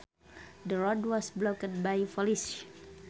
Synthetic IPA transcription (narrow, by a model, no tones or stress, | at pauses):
dəɹɔdwɔsblokəd̚bajfɔlis